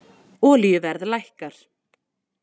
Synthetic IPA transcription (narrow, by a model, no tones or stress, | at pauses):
ɔːlijʏvɛɾðlajhkaɾ̥